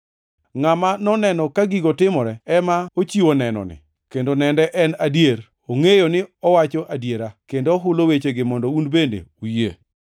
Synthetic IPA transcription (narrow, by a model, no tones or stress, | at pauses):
ŋamanɔnɛnɔkaɡiɡɔtɪmɔɾɛɛmaot͡ʃionɛnɔ̰nɪ̰ | kendonɛndɛʔɛnadjeɾ | oŋejonɪɔwat͡ʃɔʔadjeɾakendoɦʊlowet͡ʃeɡɪmɔndɔunbendḛujḛ